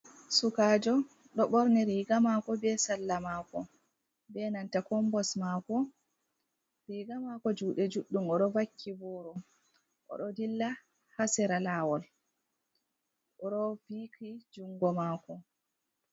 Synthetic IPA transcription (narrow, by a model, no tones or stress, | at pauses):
sukaːd͡ʒɔ | ɗɔɓɔɾnɛɾiːɡamakɔbɛsalːamaːkɔ | bɛnantakɔmbɔsmakɔ | ɾiːɡamakɔd͡ʒuːɗɛd͡ʒuɗːumɔɗɔvakʰːibɔːɾɔ | ʔɔ̰ɗɔdilːa | hasɛɾalawɔl | ʔɔɗɔvikid͡ʒuŋɡɔmaːkɔ